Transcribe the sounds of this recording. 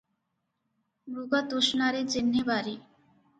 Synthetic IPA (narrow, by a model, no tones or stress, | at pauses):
ɾuɡat̪oʃnaɾed͡ʑenːebaɾi